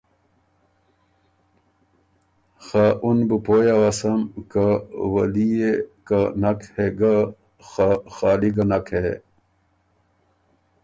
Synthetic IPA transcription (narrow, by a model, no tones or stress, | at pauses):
xaʔunbəpojawɐsɐmkawɐlijekanɐkheɡa | xaxaːliɡɐnɐke